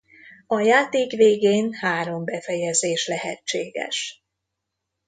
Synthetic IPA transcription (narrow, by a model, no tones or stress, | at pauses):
ɒjaːt̪eːkveːɡeːnhaːɾo̞mbɛfɛjɛzeːʃlɛɦɛ̰t͡ʃːeːɡɛ̰ʃ